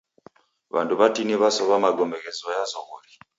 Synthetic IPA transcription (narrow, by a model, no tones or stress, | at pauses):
βa̰nduβatiniβasɔβamaɡɔmɛɣɛzɔjazɔɣɔɾi